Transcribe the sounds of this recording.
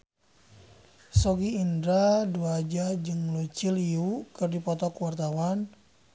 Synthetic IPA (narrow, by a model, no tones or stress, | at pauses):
sɔɡiːndɾaduad͡ʒad͡ʒɨŋlut͡ʃiliukɨrdipɔt̪ɔkwart̪awan